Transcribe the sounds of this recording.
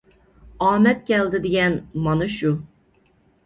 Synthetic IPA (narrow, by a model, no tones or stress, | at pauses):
ɑːmɛt̪̚kʲɛld̪ɪd̪ɪɡʲɛnmɑnɨʃu